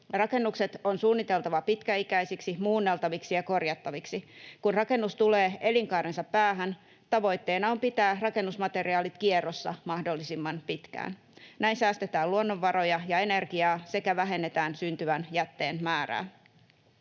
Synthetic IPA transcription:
rɑke̞nːukse̞t̪o̞nsuːnːit̪e̞lt̪ɑʋɑpit̪kæikæijsiksimuːnːe̞lt̪ɑʋiksijɑko̞rjɑt̪ːɑʋiksikunrɑke̞nːust̪ule̞ːe̞liŋkɑːɾensɑpːæːɦæn | t̪ɑʋo̞jt̪ːe̞ːnɑo̞mpit̪æːrɑke̞nːusmɑt̪e̞ɾiɑːlit̪kierosːɑ̰mɑhdolːisimːɑnpit̪kæ̰ːn | næinsæːst̪et̪æːluonːoʋːɑɾo̞jɑjɑe̞ne̞rɡiɑːse̞kæʋæɦe̞nːet̪æːnsynt̪yʋænjæt̪ːe̞̰ːnmæːɾæ̰ː

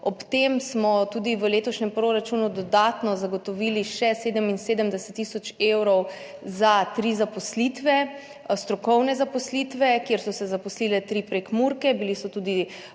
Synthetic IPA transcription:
ɔpt̪emsmɔt̪uːd̪iʋəleːt̪ɔʃnɛmpɾoɾat͡ʃunud̪ɔd̪at̪nɔzaɡɔt̪ɔʋiːliʃɛseːd̪əminseːd̪əmd̪ɛsɛt̪ːisɔt͡ʃewɾɔw | zat̪ɾizapɔslit̪ʋɛ | st̪ɾɔkɔwnɛzapɔslit̪ʋɛkjeɾsɔsɛzapɔsliːlɛt̪ɾiːpɾekmuɾkɛbilisɔt̪uːd̪i

